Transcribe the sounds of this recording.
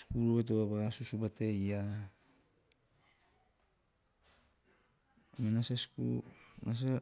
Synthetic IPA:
skuɾoet̬oabasusubateja | minaseskṵnas̬e

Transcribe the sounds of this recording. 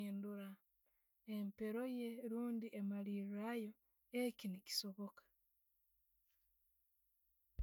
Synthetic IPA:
nduɾa | empe̞ɾo̞je̞ɾuːndiʔemalirajo̞ | ecinici̥so̞βo̞kḁ

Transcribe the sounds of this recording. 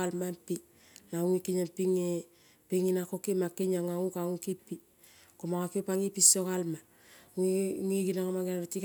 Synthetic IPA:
almampi | nauŋikiɲampiŋe | piŋinakokimakːiɲaŋaŋukaŋukipi | komaŋakipaŋipisokalma | ŋiɡinaŋamaɡnatik

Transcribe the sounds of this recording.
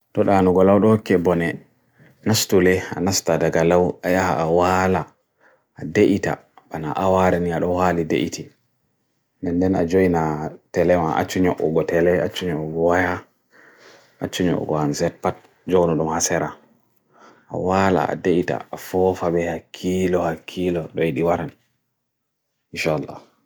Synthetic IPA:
tɔɗanuɡɔlawɗɔhokːɛbɔnɛ | nastulɛa̰nastadaɡalawajahaːwalaː | deʔita̰bana̰ʔawaɾɛniaɗɔhalidḛʔiti | ɛndɛnad͡ʒojinatɛlɛmaʔa̰t͡ʃːuɲɔʔɔɡɔtɛlɛat͡ʃːuɲɔʔɔɡɔwaja | ʔat͡ʃːuɲɔ̰ʔɔ̰ɡɔhanzɛt̚pat̚ | d͡ʒɔwnɔɗumhasɛɾa | ʔa̰wala̰ʔa̰deʔita̰afɔfabɛhakʰilɔhakʰːilɔɗɔjiɗiwaɾan | inʃalːa̰

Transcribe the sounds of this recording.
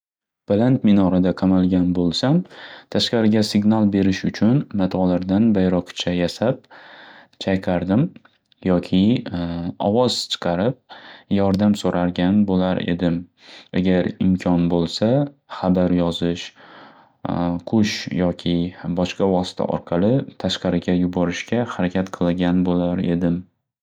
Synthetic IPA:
b̥alant̪mɪnɒɾad̪aqʰɑmalˠɡʲanbolˠsamt̪ʰaʃqɑɾɪɡʲasɪɡʲnalˠbe̞ɾɪʃʊt͡ʃʰʊnmat̪ʰɒlaɾd̪anbajɾɒqt͡ʃʰajasap̚ | t͡ʃʰajqʰɑɾd̪ɪm | jɒkʲʰɪ | ɒ̰vɒz̥t͡ʃʰɨ̥qʰɑɾɪp̚jɒɾd̪amsoɾʔaɾɡʲanbolaɾe̞̰d̪ɪm | a̰ɡʲaɾɪmkʲʰɒnbolˠsaχabaɾjɒzɪʃ | qʰʊʃjɒkʲʰɪbɒʃqɑvɒsɪ̥t̪ʰa̰ʔɒ̰ɾqʰɑlˠɪt̪ʰaʃqɑɾɪɡʲajʊbɒɾɪʃkʲahaɾakʲʰat̪qʰɨlˠɪɡʲanbolaɾe̞d̪ɪm

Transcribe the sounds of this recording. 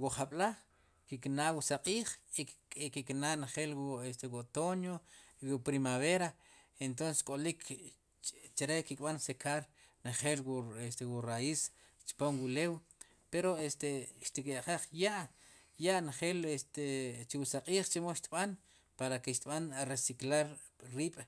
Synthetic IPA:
wuχaɓlaχ | kiknawusaqʼiːχikiknaneχeːlwuest̪ewot̪onjoiwupɾimaβeɾa | ent̪̬onse̥skʼolik | t͡ʃaɾekikʼɓansekʰaɾ | neχeːlest̪ewurais | t͡ʃpomwulew | peɾoest̪eʃt̪ikeʔχaχjaʔ | jaʔnχeːlest̪et͡ʃiwusaqʼiːχt͡ʃemoʃt̪iɓan | paɾakeʃt̪ɓanaresiklaɾ | riːɓ̥

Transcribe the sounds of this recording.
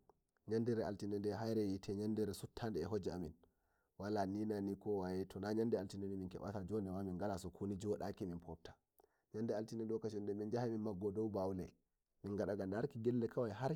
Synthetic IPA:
ɲandiɾɛa̰ltinɛndɛɦajɾɛjitʰɛɲandiɾɛsutʰːandɛːɦod͡ʒɛamin | walaninanikɔwajɛtʰɔnaɲandɛaltinɛnɛminkɛ̰ɓa̰tad͡ʒɔndɛwamiŋɡalasɔkʰunid͡ʒɔɗakiminpʰɔp̚tḁ | ɲandɛaltinɛɗɔkat͡ʃɔndɛmind͡ʒahaminmaɡːɔdɔwbawlɛ̰ | minɡaɗaɡandaɾkiɡɛlːɛkʰawajɦaɾ

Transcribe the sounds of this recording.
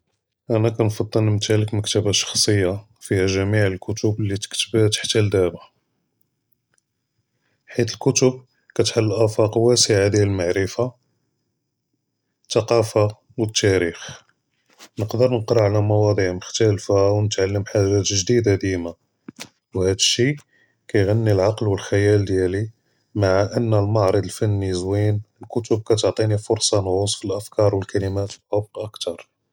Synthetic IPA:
ʔænækænfɑd̪ˤːəlnəmt̪æləkməkt̪əbaʃɑ̥xsˤəjːa | fihæʒæmiʕəlkʊt̪ʊblːit̪ə̥kt̪əbt̪ḁħt̪æld̪æba | ħit̪əlkʊt̪əb̚ | kæt̪ħalːʔæfɑqwæsəʕad̪jælmaʕɾəfa | t̪ːɑqɑfa | wət̪ːæɾix | nəqd̪əɾnəqɾɑʕlæmɑwɑd̪ˤiʕməxt̪ælfawnət̪ʕalːəmħaʒæt̪ʒd̪id̪æd̪ima | whæd̪əʃi | kæjɣænːilʕɑqlwəlħajæld̪jæli | maʕaʔənːælmɑʕɾˤəd̪əlfænːizwinəlkʊt̪ʊb̚kæt̪oʕt̪ˤinifʊɾsˤɑnhʊsˤfilʔəfkɑɾˤwəlkælimæt̪ħɑbqʔəkt̪ɑɾˤ

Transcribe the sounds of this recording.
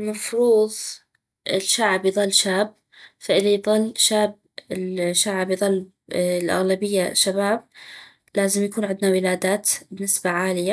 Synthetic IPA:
lmɑfɾuːðˤ | ʔɪlʃaʕbjðˤɨlːʃaːb̚ | faʔɪðajðˤɨlːʃaːb̚ | ɪlʃaʕbjðˤɨlː | lʔa̰ɣlabɪjːaʃabaːb̚ | laːzɪmjakuːnʕɪnd̪nawɪlaːd̪aːt̪bɪnːɪsbaʕaːlɪja

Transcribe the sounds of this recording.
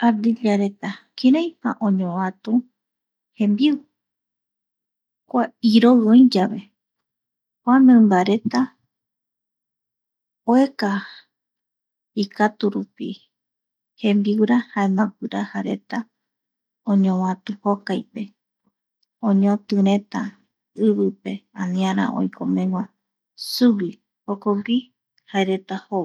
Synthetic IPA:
ad̪iʎaɾe̞t̪akiɾãj̃ha̰ʔõɲõwãt̪ũ | hẽmbiu | kʷaiɾoõĩd͡ʒaβe̞ | kʷamẽmbaɾe̞t̪a | oe̞ka | ikat̪uɾupḭ | hẽ̞mbiuɾahaemãpɨɾahaɾe̞t̪a | õɲõwãt̪uhokajpe̞ | õɲõt̪ɨɾ̃ẽ̞t̪a | ɨβɨpe̞ãnĩãɾ̃ã̰ʔo̰jkʰomẽ̞ŋʷwã | suwi | hokoɡʷi | haeɾe̞t̪aho

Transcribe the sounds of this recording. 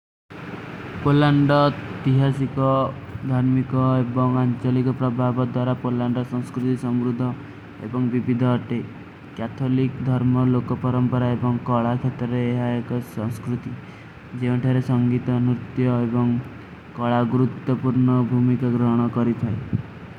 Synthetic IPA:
polaɳɖɔet̪iɦasikɔd̪ʱaɾmikɔebɔŋant͡ʃɔlikɔpɾɔbʱabɔd̪waɾapolaɳɖɔsɔŋskɾut̪isɔmɾud̪ʱːɔ | ḛbɔŋbibid̪ʱɔːʈe | kat̪ʰolikd̪ʱɔɾmɔlokɔpɔɾɔmpɔɾaebɔŋkɔɭakʰet̪ɔɾɔeːɦaekɔsɔŋskɾut̪i | d͡ʒeũʈʰaɾesɔŋɡit̪ɔnut̪jɔebɔŋ | kɔɭaɡuɾut̪wɔpuɾɳɔbʱumikaɡɾɔɦɔɽ̃ɔkɔɾit̪ʰae

